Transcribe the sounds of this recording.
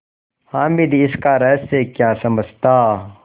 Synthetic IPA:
haːmid̪iɪskaːɾɛːssːekjaːsɐməd͡ʒʱt̪aː

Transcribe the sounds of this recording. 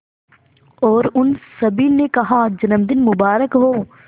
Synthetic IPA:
ɔːɾʊnsɐbʱiːlnekɐɦad͡ʒɐnəmd̪ɪnmʊbaːɾəkɦoː

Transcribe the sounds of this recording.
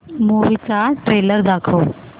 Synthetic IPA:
muʋit͡saʈɾeləɾd̪akʰəw

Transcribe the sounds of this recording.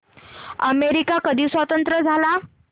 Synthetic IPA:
ə̰meɾikakəd̪ʱiːsʋət̪ənt̪ɾəd͡zʱala

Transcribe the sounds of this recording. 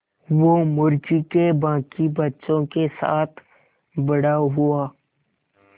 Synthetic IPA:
ʋomʊɾd͡ʒikebãːkibɐtːʃõkesa̰ːt̪ʰ | bɐɽaɦʊaː

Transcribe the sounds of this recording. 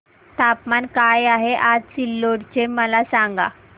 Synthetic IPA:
t̪apmankajaɦeʔad͡zsilːoɽt͡ɕeməlasaŋɡa̰

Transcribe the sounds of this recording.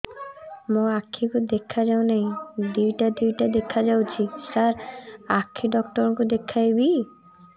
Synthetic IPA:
moakʰːikud̪ekʰːad͡ʒawnaɦĩd̪ujʈad̪ujʈad̪ekʰːad͡ʒawt͡ʃʰisaɾakʰːiɖɔkʈɔɾkud̪ekʰːajbi

